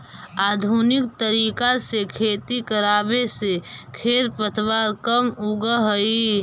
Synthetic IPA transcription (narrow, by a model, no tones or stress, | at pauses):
aːd̪ʱunɪkt̪əɾiːkasekʰeːt̪ikəɾaːbesekʰeːt̪pət̪ʰwaːɾkəmʊɡəɦəi